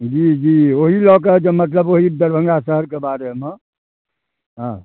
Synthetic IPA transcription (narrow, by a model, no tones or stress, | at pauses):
d͡ʒid͡ʒioɦilɔked͡ʒemət̪̬ləboɦid̪əɾbʱəŋɡasəɦəɾkebaɾeme | ɦã